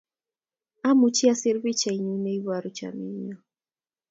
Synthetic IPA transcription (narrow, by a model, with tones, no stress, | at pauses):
a˦mu˨t͡ʃi˦a˦si˦ɾβi˦t͡ʃa˨i˨ɲi˦nɛ˦iβa˨ɾu˨t͡ʃa̰˨mḭ˨ɲɔ˨